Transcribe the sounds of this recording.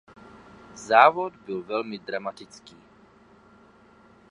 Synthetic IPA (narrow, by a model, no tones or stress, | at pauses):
zaːʋɔd̪bilʋɛlmid̪ɾamat̪it͡skiː